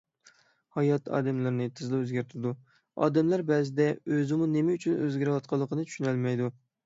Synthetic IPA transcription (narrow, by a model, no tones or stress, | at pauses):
hɑjɑt̪ʰɑ̰ːd̪ɛmlɪɾnɨt̪ʰɨzlˠɪøzɡʲæɾt̪ʰyɾɪd̪u | ɑ̰ːd̪ɛmlæɾbɛzɪd̪ɛøzɪmunemɛyt͡ʃʰynø̰zɡʲæɾɪwɑt̪̚qʰɑlˠːəqʰənɨt͡ʃ̪ʰy̥ʃynɛlmɛjd̪u